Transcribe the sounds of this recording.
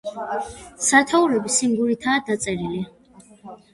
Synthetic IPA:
sat̪ʰauɾɛbisimɡuɾit̪ʰaːd̪at̪sʼɛɾili

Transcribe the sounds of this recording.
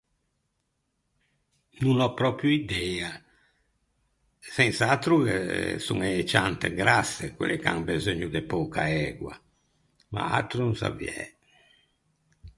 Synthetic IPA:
nunɔpɾɔpɾjuid̪ɛa | sɛnsat̪ɾukḛsṵŋɛet͡ʃant̪eɡɾasːekwḛleka̰ŋbezøɲːud̪epɔːkʰaɛɡwa̰ | ma̰a̰t̪ɾununsa̰vḭɛ̰

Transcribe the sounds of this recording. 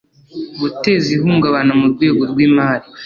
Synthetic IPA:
βute̞ːzihuːŋɡaβanamuɾɡwe̞ːɡo̞ɾɡwiːmaːɾi

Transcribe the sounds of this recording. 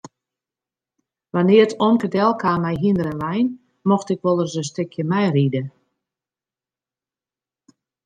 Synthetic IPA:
ʋanɪərtʰomkədɛlˠkʰaːmɛjɦindəɾɛnʋɛjn | mɔxtɪkʋolˠərzəstɪkʰjəmɛjridə

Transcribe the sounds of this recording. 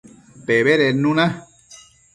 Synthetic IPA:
peβeɾenũñã

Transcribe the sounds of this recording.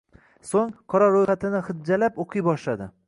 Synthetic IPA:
soŋqʰɒɾɒɾojχat̪ʰɪnɪχɪd̪̚d͡ʒalapoqʰɨjbɒʃlad̪ɪ

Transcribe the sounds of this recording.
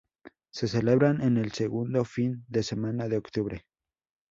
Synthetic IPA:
se̞se̞le̞βɾane̞ne̞lseɣund̪o̞find̪e̞se̞manaðeokt̪uβɾe̞

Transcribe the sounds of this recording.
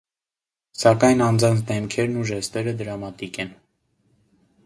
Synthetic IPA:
sɑkɑjnɑnd͡zɑnt͡sʰd̪ɛmkʰɛɾnuʒɛst̪ɛɾəd̪əɾɑmɑt̪ikɛn

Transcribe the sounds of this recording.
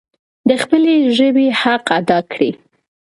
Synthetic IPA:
d̪əxpəleʒəbehaqad̪ɑkɽi

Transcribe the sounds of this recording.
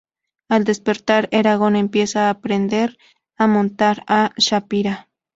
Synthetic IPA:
ald̪espeɾt̪aɾeɾaɣo̞nempjesaːpɾend̪eɾ | amont̪aɾaʃapiɾa

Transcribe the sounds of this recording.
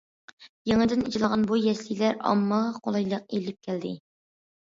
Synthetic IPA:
jeŋɨd̪ɪnid͡ʒlˠɑʁɑnbujɛslijlæɾɑ̰mːɑʁɑqʰolˠɑjlˠəq̚ilɪp̚kʲʰæld̪ɪ̰

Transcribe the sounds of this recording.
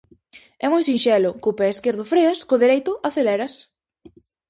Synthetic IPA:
ɛmojsinʃɛlʊkʊpɛeskeɾðʊfɾeɐskʊðeɾejt̪ʊʔaθelɛɾɐs

